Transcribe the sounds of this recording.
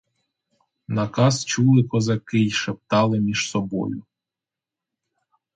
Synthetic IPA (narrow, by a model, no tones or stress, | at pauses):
nɐkɑst͡ʃulˠɪkɔzɐkɪjʃep̚t̪ɑlˠɪmʲiʒ̥sɔbɔ̰jʊ